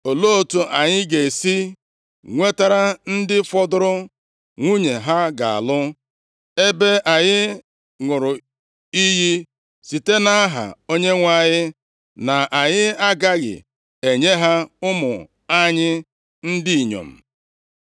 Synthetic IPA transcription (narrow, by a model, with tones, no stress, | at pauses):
o˨lo˦˨tu˨ʔa˨ɲɪ˦ɡe˨si˦ | ŋʷe˦ta˦ɾa˦n̩˦dɪ˦fɔ˦dʊ˦ɾʊ˦ | ŋʷu˦ɲe˨ɦa˦ɡa̰˨a̰˨lʊ˦ | e˦be˦ʔa˨ɲɪ˦ | ŋʊ˨ɾʊ˨ | i˦ɦi˦ | si˨te˦na˦a˦ɦa̰˨o˦ɲe˦ŋʷa˦˨ɲɪ˦ | na˨a˨ɲɪ˦a˦ɡa˦ɡɪ̰˨ | e˨ɲe˦ɦa˦ʊ˦mʊ̰˨ | a˦ɲɪ˦ | n̩˦di˦i˨ɲo̰˨m̩˨